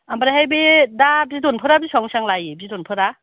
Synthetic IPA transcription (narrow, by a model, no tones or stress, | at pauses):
ambaɾahajbedabidɔnpʰɯɾabisɔŋsaŋlajibidɔnpʰɯɾa